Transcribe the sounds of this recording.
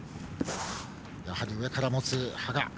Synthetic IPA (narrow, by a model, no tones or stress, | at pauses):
jahaɾʲiɯe̞kaɾamo̞t͡sɨhaɡa